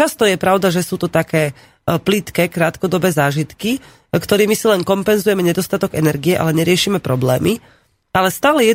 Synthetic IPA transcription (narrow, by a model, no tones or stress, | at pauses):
t͡ʃast̪ɔjɛpɾaʊd̪aʒɛsuːt̪ɔt̪akɛː | plit̪kɛkɾaːt̪kɔd̪ɔbɛːzaːʒit̪ki | kt̪ɔɾiːmisilɛnkɔmpɛnzujɛmɛɲɛd̪ɔst̪at̪ɔɡɛnɛɾɡiɛʔa̰lɛɲɛɾɪɛʃiːmɛpɾɔblɛ̰ːmi | alɛst̪aːlɛjɛ